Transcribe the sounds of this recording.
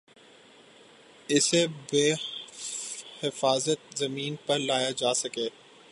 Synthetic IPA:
ɪsebeː | hɪfaːzət̪̚zɐmiːnpɐɾlaːjad͡ʒaːsɐkeː

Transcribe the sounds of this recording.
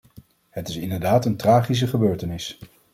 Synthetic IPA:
ɦətɪsɪndəɹdaːtəntraːχis̬əχəbøːɹtənɪs

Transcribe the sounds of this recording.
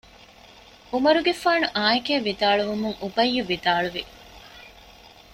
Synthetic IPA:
umɐɾuɡefaːnuʔaːekeːʋːid̪aːɭuʋumuŋʔubɐjːuʋid̪aːɭuʋi

